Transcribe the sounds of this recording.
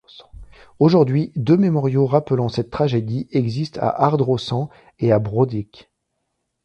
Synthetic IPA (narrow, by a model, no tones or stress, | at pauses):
oʒuʁd̪ɥid̪ømemɔʁjoʁaplɑ̃sɛt̪ːχaʒed̪iʔɛɡzist̪a̰ʔaʁd̪ʁosɑ̃ | eabʁod̪ik